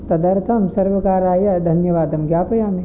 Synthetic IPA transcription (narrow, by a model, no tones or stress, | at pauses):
t̪ɐd̪ɐɾt̪ʰɐmsɐɾʋɐkaːɾaːjɐd̪ʱɐnjɐʋaːd̪ɐmɡjaːpɐjaːme